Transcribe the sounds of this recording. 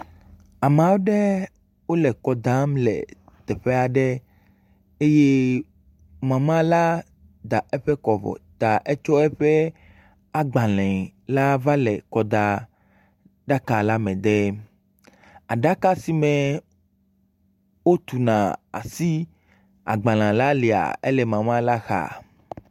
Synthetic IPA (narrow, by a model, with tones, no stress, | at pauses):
a˨mã˨wo˦ɖɛ˦ | wo˦lɛ˨kɔ˨d̪ã˦mlɛ̰˨ | t̪ɛ˨ɸɛ˦a˨ɖɛ˦ | e˦je˦ | mã˨mã˦la˦ | d̪a˨ɛ˦ɸɛ˦kɔ˨vɔ̰˨t̪a˨ʔɛ˦t͡ʃɔ˦ɛ˦ɸɛ˦ | a˦ɡ͡bã˨lɛ̃˨la˦va˦lɛ˨kɔ˦d̪a˦ | ɖa˦ka˨la˦mɛ̃˨d̪ɛ˦ | a˨ɖa˦ka˦si˦mɛ̃˨ | wo˦t̪u˨nã˨a̰˨si˦ | a̰˨ɡ͡bã˨l̃ã˨la˦li˨a̰˨e˦lɛ˨mã˨mã˦la˦xa̰˨